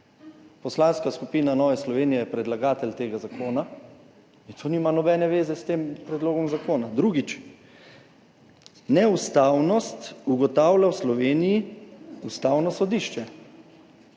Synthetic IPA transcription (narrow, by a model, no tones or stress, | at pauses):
pɔslanskaskupiːnanɔːʋɛslɔʋeːnijɛjɛpɾɛd̪laɡaːt̪ɛlt̪eːɡazakoːna | int̪ʰoniːmanɔbɛːnɛʋeːzɛst̪eːmpɾɛd̪loːɡɔmzakoːnad̪ɾuɡit͡ʃ | nɛust̪aːwnɔst̪uɡɔt̪aːwlawslɔʋeːnijiust̪aːwnɔsɔd̪iʃt͡ʃɛ